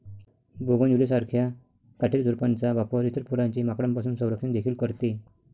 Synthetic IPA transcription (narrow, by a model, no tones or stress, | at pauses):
boɡənjulisaɾkʰja | kaʈʰiɾd͡zuɾpant͡saʋapɔɾit̪ɾpuɾãɲt͡ɕimakɽãmpasuːnsə̃w̃ɾəkʂind̪ekʰiːlkəɾt̪i